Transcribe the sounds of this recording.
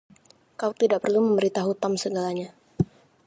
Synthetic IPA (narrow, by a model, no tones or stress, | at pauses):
kauk̚t̪idaʔpərluməmbəɾit̪aɦut̪amsəɡalaɲa